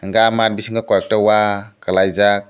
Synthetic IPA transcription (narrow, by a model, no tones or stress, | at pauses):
ŋɡamat̚bisiŋɡakɔjɔk̚tawakalajzak̚